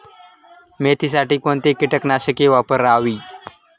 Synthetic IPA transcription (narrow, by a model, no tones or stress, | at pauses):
met̪iːs̬aʈiːkoɳt̪ekiʈəknaɕəkeʋapəɾːaʋiː